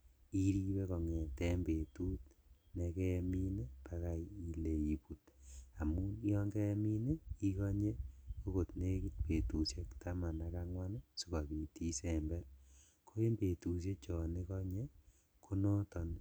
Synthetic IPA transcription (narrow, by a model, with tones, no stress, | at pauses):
i˦ɾi˦we˦kɔ˨ŋɛ˨tɛ˦mbe˨tu˦t̚ne˨kɛ˦mi˦ne˦pa˦ka˨ii˨le˨i˨pu˨ta˨mu˦jɔ˦ŋɡɛ˦mi˦ne˦ki˦kɔ˦ɲe˦ko˦ko˨tne˦ki˦t̚pe˨tu˨sje˦kta˦ma˨na˨ka˦ŋwa˦n˦si˨ka˨ki˨ti˦sembɛ˦ɾ | kʰo˦e˦mbe˨tu˨s̬je˦t͡ʃɔ˨ne˦kɔ˦ɲe˦ | kʰo˦nɔ˦tɔ˨n